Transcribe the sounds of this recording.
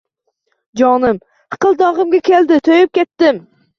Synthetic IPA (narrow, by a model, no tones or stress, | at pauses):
d͡ʒɒnɪm | ɨ̥qɨlˠd̪ɒʁɨmɡʲakʲe̞ld̪ɪt̪ʰojɪp̚kʲet̪ːɪm